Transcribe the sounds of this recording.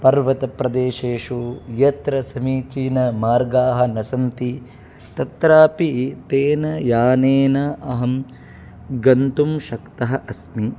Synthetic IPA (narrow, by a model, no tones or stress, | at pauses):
pɐɾʋɐt̪ɐpɾɐd̪eːʃeːʂujɐt̪ɾɐsɐmiːt͡ʃiːnɐmaːɾɡaːɦɐ̆nɐsɐmt̪i | t̪ɐt̪ɾaːpit̪eːnɐjaːneːnɐʔɐɦɐm | ɡɐnt̪umʃɐkt̪ɐɦɐ̆ʔɐsmi